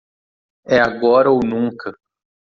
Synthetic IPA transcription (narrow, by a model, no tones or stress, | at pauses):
ɛaɡɔɾɐownũŋkɐ